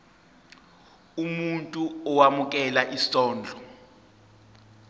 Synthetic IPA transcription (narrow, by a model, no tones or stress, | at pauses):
umuntʼuɔwamuk̬ʼɛlaʔisɔːnd͡ɮʱɔ